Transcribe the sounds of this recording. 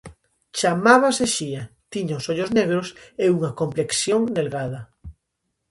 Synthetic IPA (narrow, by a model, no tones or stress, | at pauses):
t͡ʃamaβaseʃiat̪iɲaosoʎozneɣ̞ɾoseuŋakompleksjoŋnelɣað̞a